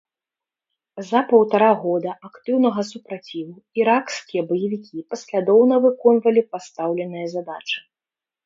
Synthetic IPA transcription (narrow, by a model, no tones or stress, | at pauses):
zɐpɐwt̪aɾaɣɔd̪ɐakt̪ɨwnɐɣɐsupɾat͡sʲivu | iɾakskʲijɐbɐjivʲikʲipɐsʲlʲad̪ɔwnɐvɨkɔnvɐlʲipast̪awlʲɛnɨjɐzad̪at͡ʂɨ̥